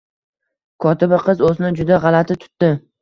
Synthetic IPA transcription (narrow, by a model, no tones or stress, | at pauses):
kʰɒt̪ʰɪbɪqʰɨzoznɪd͡ʒʊd̪aʁɑlat̪ʰɪt̪ʰʊ̥t̪ːɪ